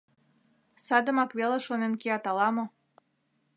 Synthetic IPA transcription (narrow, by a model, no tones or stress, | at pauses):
sɑd̪ə̆mɑkβeleʃonenkeɑt̪ɑlɑmo